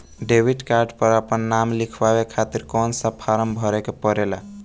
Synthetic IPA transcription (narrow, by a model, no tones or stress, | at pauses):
ɖebiʈkaɾɖpəɾəpənːamlikʰbabekʰat̪iɾkɔnsəpʰaɾəmbʱəɾekepəɾela